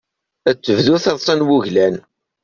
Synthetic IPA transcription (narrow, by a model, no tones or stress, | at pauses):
æt͡sːəvðuθɑðˤsˤɑnwuʝlæn